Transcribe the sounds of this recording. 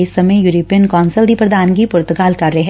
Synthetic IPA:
ɪsːɐməjjuɾoːpijənkɔːnsəld̪ipɾɐd̪ʱaːnkipʊɾt̪ʊkaːlkɐɾːəeɦɛ̃

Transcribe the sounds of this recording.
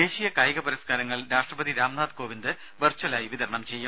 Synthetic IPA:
eːɕijɐkaːjɐɣɐpɐɾɐskaːɾɐŋːɐɭɾaːʂʈrɐbɐðiɾaːmnaːd̪ko̞ːʋind̪ɨ | ʋɐrt͡ɕɐlaːjiʋid̪ɐɾɐɳɐmt͡ɕe̞jːum

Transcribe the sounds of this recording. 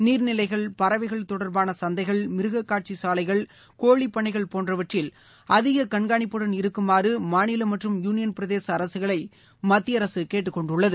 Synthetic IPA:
niːɾnɪlɐɪɣɐɭpɐɾɐʋɐɪɣɐɭt̪ɔɽɐɾbaːnɐsɐnd̪ɐɪɣɐɭmɪɾɯɣɐkːaːʈ̚t͡ʃisaːlɐɪɣɐɭ | koːɭipːɐɳɐɪɣɐɭpoːndrɐʋɐʈrɪl | ɐðɪɣɐkɐɳɡaːɳɪpːɯɽɐnɪɾɯkːɯmaːɾɯmaːnɪlɐmɐʈrɯmjuːnɪjɐnpɪɾɐðeːsɐːɾɐsɯɣɐɭɐɪ | mɐt̪ːɪjɐɾɐsɯkeːʈ̬ːɯkːɔɳɖʊɭːɐðɯ

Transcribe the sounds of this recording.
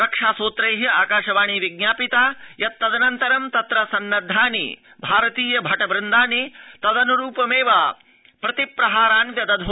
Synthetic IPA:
ɾɐkʂaːsoːt̪ɾɐjɦɐaːkaːʃɐʋaːɳ̃iʋiɡnaːpit̪aːjɐt̪ːɐd̪ɐnɐnt̪ɐɾɐmt̪ɐt̪ɾɐsɐnːɐd̪ʱːaːnḭ | bʱaːɾɐt̪iːjɐbʱɐʈɐbɾɪnd̪aːnit̪ɐd̪ɐnuɾuːpɐmeːʋaː | pɾɐt̪ipɾɐɦaːɾaːnʋjɐd̪ɐd̪ʱo

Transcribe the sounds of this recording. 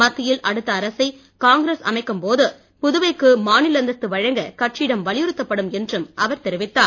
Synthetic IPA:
mɐt̪ːɪjɪlʔɐɽɯt̪ːɐːɾɐsɐɪ | kaːŋɡɾesɐ̰mɐɪkːɯmpoːðɯ | pʊðʊʋɐɪkːɯmaːnɪlɐnd̪ɐt̪ːɯʋɐɻɐŋɡɐkɐʈ̚t͡ʃiːɽɐmʋɐɭɪjɯɾɯt̪ːɐpːɐɽɯmɛndrɯmʔɐʋɐɾt̪ɛɾɪʋɪt̪ːaː

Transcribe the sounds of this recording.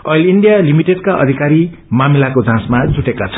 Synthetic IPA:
ʌjlinɖijalimiʈeɖkaʔʌ̰d̪ʱikaɾi | mamilakod͡zʱãsmad͡zʱuʈekat͡sʰʌ̥

